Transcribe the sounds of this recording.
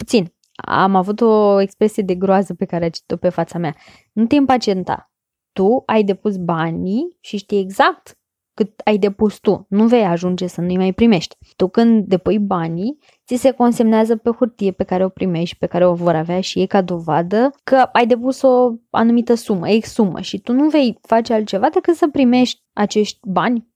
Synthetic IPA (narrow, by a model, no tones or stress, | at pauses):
pu̥t̪sin | a̰mavut̪o̞e̞kspɾe̞sije̞d̪e̞ɡɾoazəpe̞kaɾeat͡ʃt̪ope̞fat̪samea | nut̪e̞impat͡ʃie̞nt̪a̰ | t̪uajd̪e̞pusbaniʃiʃt̪ije̞ɡzak̚t̪ | kɨt̪ajd̪e̞pust̪unuve̞jaʒund͡ʒe̞sənuijmajpɾime̞ʃt̪ʲ | t̪ukɨnd̪ːe̞pujbani | t̪ise̞ko̞nse̞mneazəpe̞xurt̪ije̞pe̞kaɾe̞o̞pɾime̞ʃt̪̚ʲpe̞kaɾe̞o̞vo̞ɾaveaʃije̞jkad̪o̞vad̪əkəajd̪e̞puso̞a̰numit̪əsumə̰eksumə̰ʃit̪unuve̞jfat͡ʃealt̪̚t͡ʃe̞vad̪e̞kɨt̪səpɾime̞ʃt̪ʲat͡ʃe̞ʃt̪ʲbanʲ